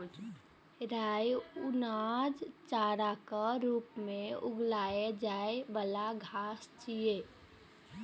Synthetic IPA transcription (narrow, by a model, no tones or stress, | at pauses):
ɾajʊnad͡ʒt͡ʃaːɾakaɾuːpmẽʊɡlaːed͡ʒaːebəlaɡʱaːst͡ʃije